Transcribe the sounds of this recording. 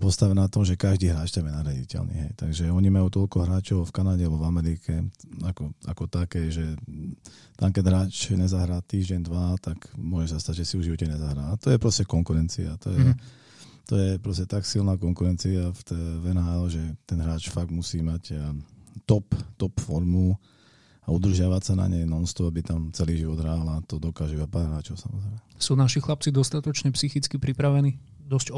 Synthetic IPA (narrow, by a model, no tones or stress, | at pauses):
pɔst̪aʋɛnat̪ɔmʒɛkaʒd̪iːɦɾaːt͡ʃt̪ɛmjɛnaɾjaɟḭcɛ̰lnḭːɦɛjt̪aɡʒɛɔɲimajut̪ɔlkɔɦɾaːt͡ʃɔʊfkanaɟɛalbɔvamɛɾikʰɛakɔʔa̰kɔt̪akɛʒɛ | t̪amkɛɟɦɾaːt͡ʃɲɛzaɦɾaːt̪iːʒɟɛnd̪ʋat̪akmʊɔʒɛsast̪aɟʒɛsiuʒiʋɔcɛɲɛzaɦɾaːt̪ɔjɛpɾɔscɛkɔŋkuɾɛnt͡siat̪ɔjɛɛ | t̪ɔjɛpɾɔscɛt̪aksilnaːkɔŋkuɾɛnt͡siaft̪ɛʋɛnɦaʒɛt̪ɛnɦɾaːt͡ʃfaɡ̚d̪musiːmac | t̪ɔpt̪ɔpfɔɾmu | aud̪r̩ʒɪaʋacsana̰ɲɛjnɔnst̪ɔabit̪amt͡sɛliːʒiʋɔd̪ɦɾaːlat̪ɔd̪ɔkaːʒɛʋapaːɾɦɾaːt͡ʃɔʊsa̰mɔzɾɛːmɛsuːnaʃixlap̚t͡sid̪ɔst̪at̪ɔt͡ʃɲɛpsixit͡skipɾipɾaʋɛniː | d̪ɔsc